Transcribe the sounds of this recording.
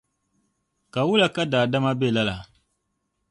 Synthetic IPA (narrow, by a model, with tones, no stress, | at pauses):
ka˨wu˦la˨ka˦daː˨da˦ma˦be˦˨la˦la˨